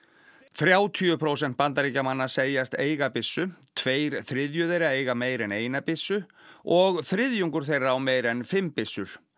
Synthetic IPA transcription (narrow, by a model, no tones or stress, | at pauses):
θɾjaːwt̪ʰyʏpʰɾows̬ɛn̥t̪̚pant̪aɾiːcamanːḁseːjast̪eːjɣapɪsːʏt̪ʰveːjɾθɾɪðjʏðeɾaeːjɣameːjɾɛneːjnapɪsːʏɔɣθɾɪðjuŋkʏɾ̥θejraawmeːjɾɛnfɪmːpɪsːʏɾ̥